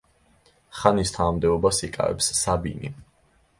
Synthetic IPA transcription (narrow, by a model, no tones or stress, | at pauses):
χanist̪ʰanamd̪ɛɔbasikʼa̰vɛ̰psːabḭnḭ